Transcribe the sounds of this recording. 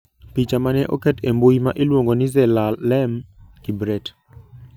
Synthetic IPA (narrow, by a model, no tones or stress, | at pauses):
pit͡ʃamanɛʔokɛtembojimaʔelwoŋɡonɪzɛlalɛmkibɾɛt